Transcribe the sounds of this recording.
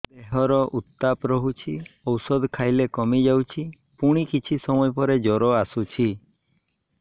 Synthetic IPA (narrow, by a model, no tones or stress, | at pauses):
d̪eɦɔɾɔʔut̪ːapɾɔɦut͡ʃʰiɔwsɔd̪kʰajlekɔmid͡ʒawt͡ʃʰi | puɽ̃ikit͡ʃʰisɔmɔjpɔɾed͡ʒɔɾɔasut͡ʃʰi